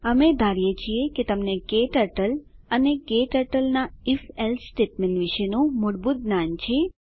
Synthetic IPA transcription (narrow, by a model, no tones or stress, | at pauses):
əmed̪ʱaɾjet͡ʃʰieket̪əmnekeʈəʈəl | ənekeʈəɾʈəlnaifelsʈeʈmenʋiʃenũmʊɽbut̪̚nant͡ʃʰe